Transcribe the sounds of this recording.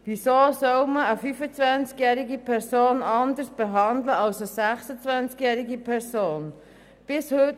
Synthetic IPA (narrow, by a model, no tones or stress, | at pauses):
ʋisoːsɔwməəfyfət͡svʋænt͡skjæːɾɪɡipʰɛɾsoːnɑnd̪əsb̥ɛɦɑnd̪ləɑlsəsæχsət͡svænt͡skjæːɾiɡipʰɛɾsoːn | b̥ɪshøt